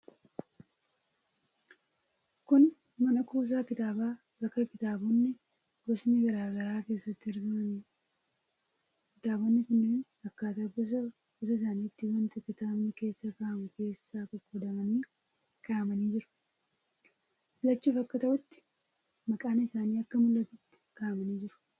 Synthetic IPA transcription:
kʊn | mɐnɐkuːs̬aːkɪt̪aːbaː | bɐkːɐkɪt̪aːbɔnːɪ | ɡɔsniɡɐɾaːɡɐɾaːke̞ːsːɐt̪ːɪɪɾɡɐmɐniː | kɪt̪aːbɔnːɪkʊnːiːn | ɐkːaːt̪ɐkːʊsɐ | kʊs̬ɐɪs̬aːniːt̪ːɪwɐnt̪ʊkɪt̪aːbnɪke̞ːsːakaːʔɐmʊke̞ːsːaːkɔkːɔd̪ɐmɐniː | kʰaːɐmɐniːd͡ʒɪɾʊ̥ | ɪlɐt͡ʃːuːfɐkːɐt̪ɐʔʊt̪ːɪ̥ | mɐkʼaːnɐɪsaːniːɐkːɐmʊlːɐt̪ʊt̪ːɪ̥kaːʔɐmɐniːd͡ʒɪɾʊ̥

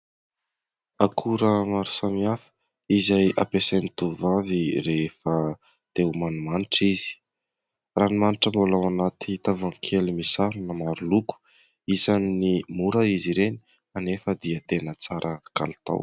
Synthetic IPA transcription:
akʰuɾəmaɾu̥samiafə̥ | izajʔa̰pesejnit̪uvaviɾefə | t̪ewmanumaniʈ͡ʂizi̥ | ranimaniʈ͡ʂəmbolawanat̪it̪avaŋkʰelimisaɾunəmaɾuluku̥ | izannimuɾəiziɾeni̥ | anefəd̪iət̪enət͡saɾʔəka̰lit̪a̰w

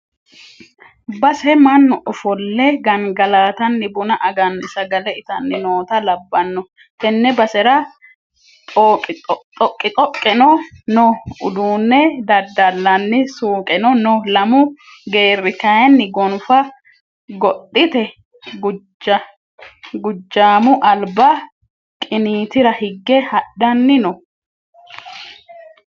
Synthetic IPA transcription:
bɐsɛmɐnːɔʔɔfɔlːɛɡɐnɡɐlaːt̪ɐnːɪbʊnɐʔɐɡɐnɪsɐɡɐlɛɪt̪ɐnːɪnoːt̪ɐlɐbːɐnːɔ | t̪ɛnːɛbɐsɛɾɐ | t̪ʼːk̪ʼt̪ʼɔkʼːɪt̪ʼɔkʼːɛnɔnɔʊd̪uːnːɛd̪ɐd̪ːɐlːɐnːɪsuːkʼɛnɔnɔlɐmʊ | ɡe̞ːrːɪkɐjɛnːɪɡɔnfɐ | ɡɔɗɪt̪ɛ | ɡ | ɡʊd͡ʒːaːmʊʔɐlbɐ | kʼɪniːt̪ɪɾɐhɪɡːɛhɐɗɐnːɪnɔ

